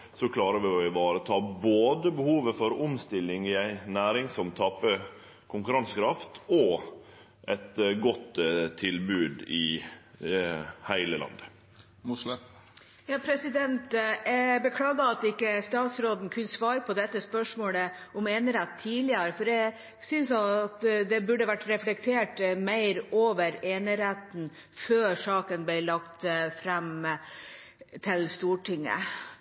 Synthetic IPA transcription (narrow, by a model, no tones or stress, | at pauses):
sɔkʰlɑːɾəʋɪɔɪbɑːɾət̪ʰɑːboːd̪əbəhuːʋəfɔɾʊmst̪ɪlːɪŋɪæɪnæːɾɪŋsɔmt̪ʰɑpːə | kʰʊŋkʉɾɑnskʰɾɑft̪ɔ | ʔɛt̪ɡɔt̪t̪ʰːɪlbʉːd̪ɪ | hæɪləlɑ̰nd̪ə | mʊslə | jɑːpʰɾɛsɪd̪ɛnt̪bəkʰlɑːɡɑɑt̪ɪkːəst̪ɑːt̪sɾoːd̪n̩kʰʉnsʋɑːɾpʰɔd̪ɛt̪ːəspœʂmoːlə | ɔmeːnɾæt̪ʰːiːlɪəɾfɔɾɛ | sʏnsɑt̪d̪ɛbʉɖːəʋæʈːɾɛflɛk̚t̪ʰeːʈmæɪɾoːʋəɾeːnəɾæt̪n̩ | føːɾʂɑːkənblɪɭɑkt̪fɾæm | t̪ʰɪlst̪uːʈɪŋːə̰